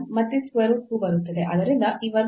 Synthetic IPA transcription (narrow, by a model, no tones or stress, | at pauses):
mɐt̪ːiskʋɐɾskuːbɐɾut̪ːɐd̪eʔɐd̪ɐɾind̪ɐʔiʋɐɾ